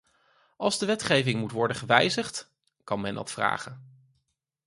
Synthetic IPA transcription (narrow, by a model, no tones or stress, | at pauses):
ɑlˠzdəʋɛtχejvɪŋmutʋɔɹdəχəʋɛjzəχt | kɑnmɛndɑ̰tfra̰ːχən